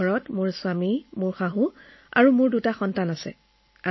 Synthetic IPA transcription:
ɔɹɔtmʊɹswamimʊɹxaɦũ | a̰ɹumʊɹdutaxɔntanasɛ̰ | a

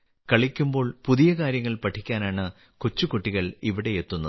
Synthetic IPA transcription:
kɐɭikʲːumbo̞ːɭpuðijɐkaːɾjɐŋːɐɭpɐʈʰːikʲːaːnaːɳɨ | kut͡ɕːukuʈːiɣɐɭiʋiɽe̞et̪ːunːɐð

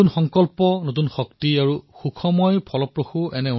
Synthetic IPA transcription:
unxɔŋkɔlpɔnotunxɔktiaɹuxukʰɔmɔjpʰɔlɔpɹoxuʔɛnɛu

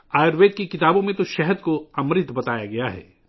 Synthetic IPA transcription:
aːjəɾʋeːd̪̚kikɪt̪aːbõmẽt̪oʃɛɦəd̪koɐmɾɪt̪bɐt̪aːja̰ɡɐjaɦɛ̰ː

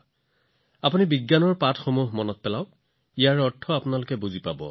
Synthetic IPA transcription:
apunibiɡːanɔɹpatxomuɦmɔnɔt̚pɛlaʊ | ijaɹɔtʰːɔapʊnalʊkɛbuzipabɔ̰

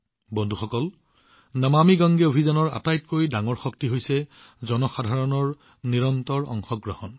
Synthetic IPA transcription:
bɔndʱuxɔkɔl | namamiɡɔŋɡeobʱizanɔɹa̰tajtkojdaŋɔɹxɔk̚tiɦojsɛ | zɔnɔxadʱaɹɔnɔɹ | niɹɔntɔɹɔ̰ŋxɔɡɹɔhɔn

